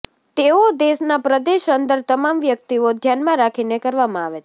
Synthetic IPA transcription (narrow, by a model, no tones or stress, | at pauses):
t̪eod̪esnapɾəd̪eʃənd̪əɾt̪əmamʋjəkt̪iod̪ʱjanmãɾakʰinekəɾʋamãaʋe